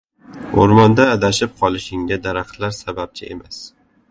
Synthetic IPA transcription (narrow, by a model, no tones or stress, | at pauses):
oɾmɒnd̪aːd̪aʃɪp̚qʰɒlˠɪʃɪŋɡʲad̪aɾaqt̪laɾsabap̚t͡ʃʰɪe̞̰mas